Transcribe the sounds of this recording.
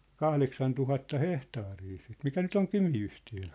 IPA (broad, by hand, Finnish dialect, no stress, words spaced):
kɑhleksɑn tuhɑtːɑ hehtɑːriː sit mikæ nyt oŋ kymiyhtiøn̞